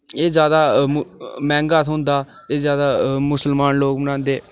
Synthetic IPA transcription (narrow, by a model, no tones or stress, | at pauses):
eːzjaːd̪aː | mɛ̃ːŋɡaːt̪ʰɦʊ̃nd̪aː | eːzjaːd̪aːmʊsəlmaːnloːkmənãːnd̪eː